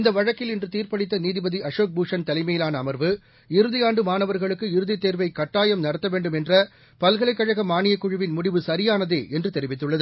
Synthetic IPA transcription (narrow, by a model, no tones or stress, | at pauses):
ɪnd̪ɐʋɐɻɐkːɪlɪndrɯt̪iːɾpɐɽɪt̪ːɐniːðɪbɐðiɐʂoːk̚buːʂɐnt̪ɐlɪmɐjɪlaːnɐːmɐɾʋɯ | ɪɾɯðɪjaːɳɖɯmaːnɐʋɐɾɣɐɭɯkːɯɪɾɯðɪt̪ːeːɾʋɐɪkɐʈːaːjɐmnɐɽɐt̪ːɐʋeːɳɖɯmɛndrɐ | pɐlɣɐɭɐɪkːɐɻɐɣɐmːaːnɪjɐkːʊɻɯʋɪnmʊɽɪʋɯsɐɾɪjaːnɐðeːʔɛndrɯt̪ɛɾɪʋɪt̪ːɯɭːɐðɯ